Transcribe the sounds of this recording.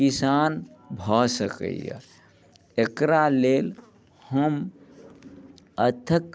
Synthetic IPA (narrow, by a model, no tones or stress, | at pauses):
kisaːnbʱasəkə̰ja̰ | ekɾaleːl | həm | ət̪ʰək